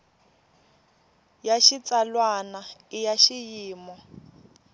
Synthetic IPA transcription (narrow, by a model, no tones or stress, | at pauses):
jaʃit͡salwanaijaʃijiːmɔ